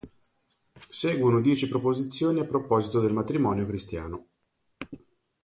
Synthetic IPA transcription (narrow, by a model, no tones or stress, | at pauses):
sɛːɡwonod̪jɛːt͡ʃipɾopozit̪sːjoːniapːɾopɔːzit̪od̪elmat̪ɾimɔːnjokɾist̪ja̰ːno